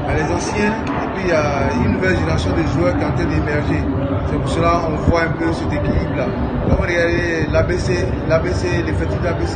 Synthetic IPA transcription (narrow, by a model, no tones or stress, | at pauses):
alɛzɑ̃sjɛ̃ | epɥijaynnuvɛlʒeneʁasjɔ̃d̪eʒuœʁkiɑ̃t̪ɾɛ̃d̪emɛʁʒe | sepuʁsəlaɔ̃vwaɛ̃pøsɛt̪ekilipla | kɔ̃mɾəɡad̪elabese | labeselɛfɛt̪yd̪əlabese